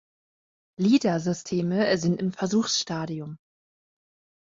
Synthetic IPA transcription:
liːdazʏstʰeːməzɪntɪmfɛɐzuːxsʃtaːdiʊm

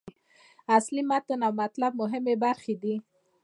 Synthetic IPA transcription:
aslimat̪ʊnawmat̪lab̚mʊɦɪmebaɾxed̪i

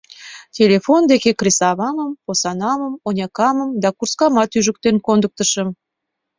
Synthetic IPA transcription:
tʲelefond̪ekekresɑβɑməmposɑnɑməmonʲɑkɑməmd̪ɑkurskɑmɑt̪yʒək̚t̪enkond̪ək̚t̪əʃəm

